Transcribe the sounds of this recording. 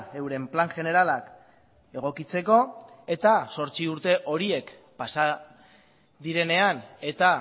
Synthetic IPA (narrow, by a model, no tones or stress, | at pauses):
e̞wɾe̞mplaŋʝe̞ne̞ɾalak | e̞ɣ̞o̞kit͡se̞ko̞e̞t̪aso̞ɾt͡siuɾt̪e̞ʔo̞ɾie̞k | pasa | ðiɾe̞ne̞ane̞t̪a